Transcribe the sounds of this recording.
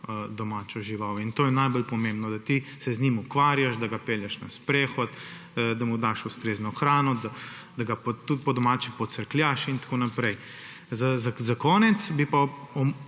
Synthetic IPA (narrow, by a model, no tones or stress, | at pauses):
d̪ɔmaːt͡ʃɔʒiʋawint̪oːjɛnajbɔlpɔmẽmbnɔd̪at̪isɛzɲimukʋaːɾjaʃd̪aɡapeːljaʃna̰spɾɛxɔt̪ | d̪amud̪aʃust̪ɾeːznɔxɾaːnɔd̪a | d̪aɡapɔt̪ut̪̚pɔd̪ɔmaːt͡ʃipɔsəɾklʲjaʃint̪ḁkoːnapɾɛj | zazazakɔːnɛt̪sbipaɔm